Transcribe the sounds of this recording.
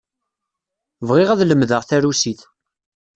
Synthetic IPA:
vʁɪʁæðləmðəʁθæɾusiθ

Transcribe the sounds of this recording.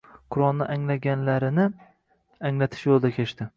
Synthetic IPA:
qʰʊɾɒlˠnɪʔaŋlaɡʲanlaɾɪnɪ | aŋlat̪ʰɪ̥ʃjolˠd̪akʲʰe̞ʃt̪ɪ

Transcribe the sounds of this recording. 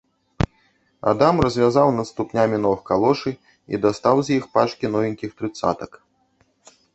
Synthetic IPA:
a̰d̪amrɐzʲvʲazawnɐt̪st̪upnʲamʲinɔɨxkalˠɔʂɨ | ḭd̪ast̪awzʲjixpat͡ʂkʲinɔvʲinʲkʲixt̪ɾɨt̪sa̰t̪ɐk

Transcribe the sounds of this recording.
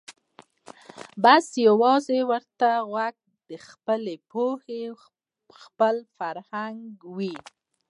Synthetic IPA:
basjawɑzewəɾt̪aɣwaɡ̚ | d̪̥əxpəlepohe | xpəlfaɾhaŋɡwi

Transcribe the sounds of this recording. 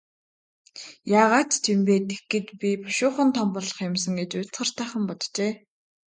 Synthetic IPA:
jaːʁaːt̪t͡ɕʰempeːt̪exɡĕt̪pʲipɔ̥ʃʊːχə̆nt̪ʰɔmpɔːɮɞ̆χjʊmsə̆ŋɡet͡ɕʊt͡sχə̆r̥t̪æːχə̆mpɔt̪t͡ɕeː

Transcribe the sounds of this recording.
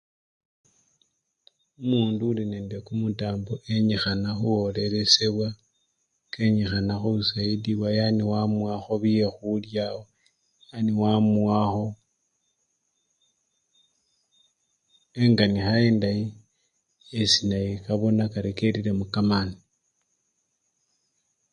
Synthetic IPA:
umuːnduːline̞ːndekumutaːmboʔe̞ɲixanaxuwo̞le̞ɾe̞se̞βwa | keɲixanaxuβusaidiβwajaniwamwaxo̞βije̞xuljao | aniwamuwaxo̞ | e̞ŋɡanixae̞ːndaji | esinajikaβo̞nakaɾeke̞ɾiɾe̞mukamani

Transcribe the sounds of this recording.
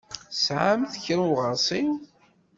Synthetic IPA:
sʕamθçɾuʁəɾˤsˤiw

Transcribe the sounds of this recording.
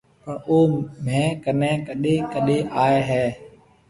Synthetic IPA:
pəɳoːmẽːkənẽːkəɗẽːkəɗẽːʔaːeːɦɛː

